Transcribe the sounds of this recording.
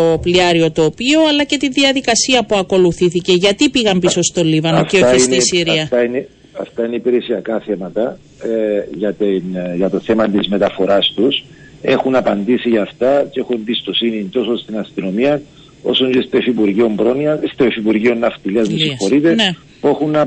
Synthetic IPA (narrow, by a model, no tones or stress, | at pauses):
opliɐɾio̞t̪oːpio̞ɐlɐce̞t̪iðiɐðikɐsiɐpuɐko̞luθiθice̞ʝɐt̪ipiɣɐmpiso̞st̪o̞livɐnofceoçeisnt̪isiɾiɐt̪ɐine | ɐ̰ft̪ɐineipeɾesiɐkɐθe̞mɐt̪ɐ | ʝɐt̪inʝɐt̪o̞θe̞mɐt̪izme̞t̪ɐfo̞ɾɐst̪us | e̞xunɐpɐnd̪isiʝɐːft̪ɐce̞xunembist̪o̞sinit̪o̞sost̪inɐst̪ino̞miɐ | o̞̰soɲɟest̪ofipuɾʝio̞mbɾo̞niɐst̪ofipuɾʝio̞nːɐft̪iliɐzmisixo̞ɾit̪e̞ne | puexunɐ